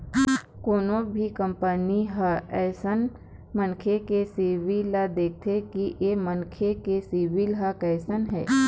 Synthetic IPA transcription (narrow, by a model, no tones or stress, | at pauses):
koːnobʱikə̃mpəniɦəɛːsən | mənkʰekesiʋilad̪eːk̚ʰt̪ʰekiʔemənkʰekesiʋɪlɦakɛːsənɦɛ̰ː